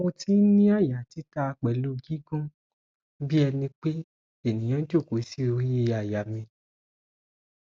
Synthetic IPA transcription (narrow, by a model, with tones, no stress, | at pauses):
o˧ti˨˦n̩˦nĩ˦a˦˨ja˨ti˨˦ta˧k͡pɛ˨lo˨˦ɡi˦ɡũ˦ | bi˦ɛ˧nĩ˧k͡pe˦ | e˦˨nĩ˨j̃ã˨˦n̩˦to˦˨ko˨˦si˦o˧je˦˨a˨ja˨mĩ˧